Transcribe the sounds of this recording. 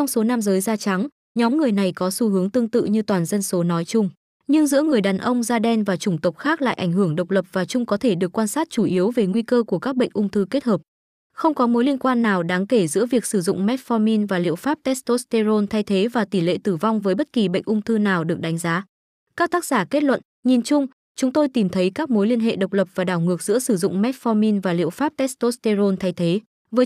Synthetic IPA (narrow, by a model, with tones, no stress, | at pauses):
t͡ɕɔ˧wŋ͡mso˨˦na˧mzəː˨˦jzaː˧t͡ɕa˨˦ŋ | ɲɔ˨˦mŋɨ˨˩əjna˨˩jkɔ˨˦su˧hɨ˨˦əŋt̪ɨ˧əŋt̪ɨ̰˧˨ɲɨ˧t̪waː˨˩nzə˧nso˨˦nɔ˨˦jt͡ɕʊ˧ŋ͡m | ɲɨ˧ŋzɨ̰˧˥əŋɨ˨˩əjɗaː˨˩nʔə˧wŋ͡mzaː˧ɗɛ˧nvaː˨˩t͡ɕʊ˧˩ŋ͡mt̪ə˨˩k͡p̚xaː˦˥k̚la̰ː˧˨jʔa˧˩ŋhɨ˧˩əŋɗə˨˩wk͡p̚lə˨˩p̚v̥aː˨˩t͡ɕʊ˧ŋ͡mkɔ˨˦t̪ʰe˧˩ɗɨ˨˩əkːwaː˧nsaː˦˥t̚t͡ɕu˧˩ʔi˨˦əwve˨˩ŋwi˧kəː˧ku˧˩əkaː˦˥k̚ɓə̰˧˨ŋ̟ʔʊ˧ŋ͡mt̪ʰɨ˧ke˦˥t̚həː˨˩p̚ | xə˧wŋ͡mkɔ˨˦mo˨˦jli˧ənkwaː˧nːaː˨˩wɗaː˨˦ŋke˧˩zɨ̰˧˥əvi˨˩ək̚sɨ˧˩zʊ̰˧˨ŋ͡mmɛ˦˥t̚fɔ˧mi˧nvaː˨˩lḭ˧˨əwfaː˦˥p̚t̪ɛ˦˥st̪o˦˥st̪e˧zo˧nt̪ʰa˧jt̪ʰe˨˦vaː˨˩t̪i˧˩lḛ˧˨t̪ɨ˧˩va˧wŋ͡mvəː˨˦jɓə˦˥t̚ki˨˩ɓə̰˧˨jŋ̟ʔʊ˧ŋ͡mt̪ʰɨ˧naː˨˩wɗɨ˨˩ək̚ɗa˨˦jŋ̟zaː˨˦ | kaː˦˥k̚t̪aː˦˥k̚z̥aː˧˩ke˦˥t̚lwə̰˧˨n | ɲi˨˩nt͡ɕʊ˧ŋ͡m | t͡ɕʊ˨˦ŋ͡mt̪o˧jt̪i˨˩mt̪ʰə˨˦jkaː˦˥k̚mo˨˦jli˧ənɦḛ˧˨ɗə˨˩wk͡p̚lə˨˩p̚vaː˨˩ɗaː˧˩wŋɨ˨˩ək̚zɨ̰˧˥əsɨ˧˩zʊ̰˧˨ŋ͡mmɛ˦˥t̚fɔ˧mi˧nvaː˨˩lḭ˧˨əwfaː˦˥p̚t̪ɛ˦˥st̪o˦˥st̪e˧zo˧nt̪ʰa˧jt̪ʰe˨˦ | vəː˨˦